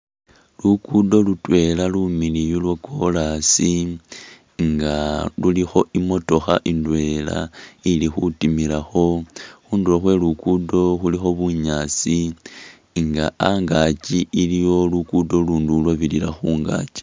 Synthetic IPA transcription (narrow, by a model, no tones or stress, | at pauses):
lukudo̞lutwe̞lalumilijulwako̞lasi | ŋɡalulixo̞ʔimo̞to̞xaʔindwe̞la̰ilixutimilaxo̞xuːnduloxwe̞lukudo̞xulixo̞βuɲaːsi | ŋɡaaŋɡat͡ʃiilijo̞lukudo̞luːndulwaβilila̰xuːŋɡa̰t͡ʃi̥